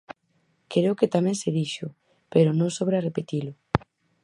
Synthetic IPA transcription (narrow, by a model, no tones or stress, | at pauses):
kɾeoket̪amɛ̃ŋseðiʃʊ | peɾʊnõŋsoβɾarepet̪ilʊ